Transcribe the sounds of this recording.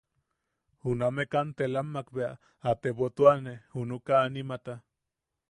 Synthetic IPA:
hunamekant̪elamːakbea̰ | at̪eβot̪uanehunukaːnimat̪a

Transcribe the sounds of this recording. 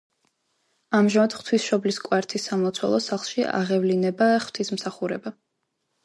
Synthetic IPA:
amʒamad̪̥χt̪ʰwisʃɔbliskʼwaɾt̪ʰisːamɔt̪sʰwɛ̰lˠɔsaχlˠʃia̰ʁɛvlinɛbaχw̥t̪ʰismsaχuɾɛba

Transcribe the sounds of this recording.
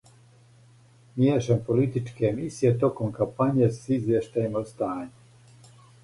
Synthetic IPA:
mjeːʃempolit̪it͡ʃkeːmisijet̪okomkampaɲijesizʋjeʃt̪ajemost̪aːɲu

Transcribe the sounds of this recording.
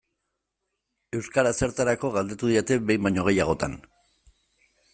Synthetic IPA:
e̞wskaɾase̞ɾt̪aɾako̞ɣald̪e̞t̪uðiet̪e̞be̞jmbaɲo̞ɣ̞e̞jaɣ̞o̞t̪a̰n

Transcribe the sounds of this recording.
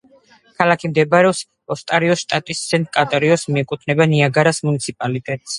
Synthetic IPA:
kʰalakʰimd̪ɛbɾɛɔps | ɔst̪ʼaɾiɔsʃt̪ʼat̪ʼist̪sʰɛnt̪ʼkʼat̪ʼaɾiɔsmiɛkʼut̪ʰnɛbaniaɡaɾasmunit̪sʰipʼalit̪ʼɛt̪ʼs

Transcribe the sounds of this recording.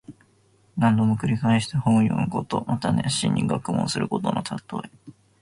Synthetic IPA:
nãnd̪o̞mokɯ̟ɾʲikaeɕi̥t̪ahõɰ̃jo̰ːnoko̞t̪o̞mʔat̪aneɕḭ̃ɲ̟ːʔiɡakɯ̟mõsɨɾɯ̟ko̞t̪o̞not̪ʰat̪ːo̞̰e

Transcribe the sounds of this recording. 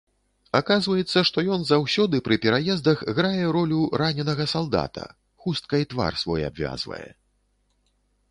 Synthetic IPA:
akazvɐjɛt̪sːɐʂt̪ɔjɔnzawsʲɔd̪ɨpɾɨpʲɛɾajɛzd̪ɐɣɣɾajɛɾɔlʲuɾanʲɛnɐɣɐsalˠd̪a̰t̪ʰɐ̰ | xust̪̚kɐit̪va̰rsvɔja̰bvʲa̰zvɐ̰jɛ̰

